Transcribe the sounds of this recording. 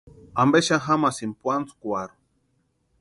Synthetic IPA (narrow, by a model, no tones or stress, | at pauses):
ambeʃaxamasimpwant͡skwaɾu